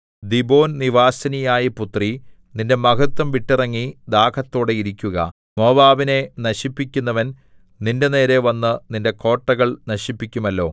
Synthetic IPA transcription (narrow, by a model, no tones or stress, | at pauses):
d̪ibo̞ːnniʋaːsɐnijaːjiput̪ri | ninde̞mɐɡʰɐt̪ːwɐmʋiʈːirɐŋːid̪aːkʰɐt̪ːo̞ːɽe̞iɾikʲːuɣɐ̰ | mo̞ːbaːʋine̞nɐɕipːikʲːunːɐʋɐn | ninde̞ne̞ːɾe̞ʋɐnːɨninde̞ko̞ːʈːɐɣɐɭnɐɕipːikʲːumɐlːo̞ː